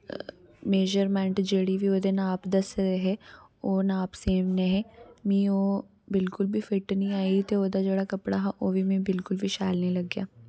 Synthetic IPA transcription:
meːʒəɾmɛ̃ɳʈd͡ʒeːɽibʱioːd̪enaːpd̪ɐsɾeɦɛ | oːnaːpseːmneɦɛmĩoː | bɪlkʊlbʱifɪʈnɐĩaːit̪eoːd̪ad͡ʒəɽakɐpɽaɦaʔoːbʱimẽbɪlkʊlbʱiʃaːjlnĩlɐɡːjaː

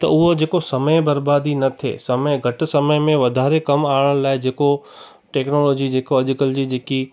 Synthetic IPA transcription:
t̪ɐʊɦod͡ʑeːkosɐməjbɐɾbaːd̪ʱinɐt̪ʰḛsɐməɡʱɐʈ̆sɐməjmẽʋɐd̪ʱaːɾekɐmaːəɽ̃laːɪd͡ʑeːko | ʈeːknoːloːd͡ʑid͡ʑeːkoɐʄʊkəld͡ʑiːd͡ʑeːki

